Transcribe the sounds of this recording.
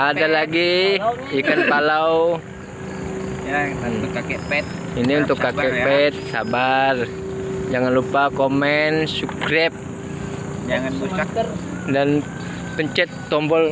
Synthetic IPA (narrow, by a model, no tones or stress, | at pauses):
ʔadalaɡi | ikanpalaw | kpɛt̪̚ | iniunt̪ʊkːakɛʔppɛt̪̚sabar | d͡ʒaŋanlupakomɛnsukɾɛp̚ | ŋan | dan | pəɲt͡ʃɛt̪ːɔmbɔl